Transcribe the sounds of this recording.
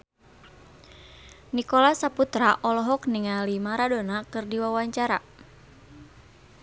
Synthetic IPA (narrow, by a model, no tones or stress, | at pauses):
nikɔlasaput̪ɾaʔɔlɔɦɔkniŋalimaɾadonakɨrdiwawaɲt͡ʃaɾa̰